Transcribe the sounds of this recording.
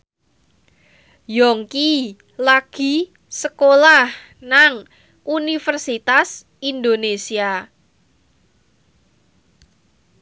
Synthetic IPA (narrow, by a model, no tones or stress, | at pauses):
jɔŋki | laɡ̥i̤ | səkolah | naŋ | ʔunifərsit̪as | ind̪onesia